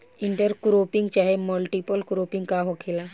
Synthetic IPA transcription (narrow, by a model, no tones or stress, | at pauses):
ɪɳʈəɾkɾoːpɪ̃ŋɡt͡ʃaːɦeməlʈipəlkɾoːpɪ̃ŋɡkaɦokʰeːla